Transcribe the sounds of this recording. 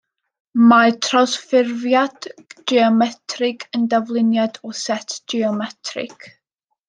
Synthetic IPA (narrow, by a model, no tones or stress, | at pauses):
matʰrɔsfɪrvjadiɔmɛtʰrɪɡəndavlˠɪnjadɔsɛtʰdiɔmɛtʰrɪ̰kʰ